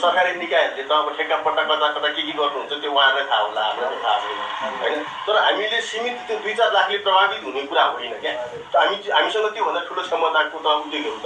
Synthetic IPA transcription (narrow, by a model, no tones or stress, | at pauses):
sʌkaɾenikajʌɾlet̪ʌɦãkoʈʰekːapʌʈːakʌt̪akʌt̪akekiɡʌrnuɦunt͡sʰʌt̪jowããmajt̪ʰaɦola̰ʌ̰mʰnaket̪ʰasʌjna̰ɦʌ̰jnʌ | t̪ʌɾʌɦamilesimit̪t̪jod̪ujt͡sarlakʰleprʌbab̪it̪ɦunekuɾaɦojnʌkja | t̪ɦamiɦamisʌŋɡʌt̪jobʱʌnd̪aʈʰuɽosʌmʌd̪ʱankot̪ʌãud̪ekeut͡sʰʌ